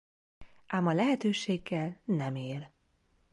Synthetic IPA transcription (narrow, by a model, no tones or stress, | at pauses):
ʔaːmɒlɛɦɛt̪øːʃeːɡːɛlnɛmeːl